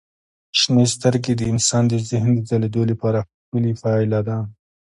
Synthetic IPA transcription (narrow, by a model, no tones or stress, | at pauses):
ʃnest̪aɾɡed̪əɪnsɑːnd̪əzɪɦnd̪əzaled̪olapɑɾaxpəlifɑɪlad̪ɑn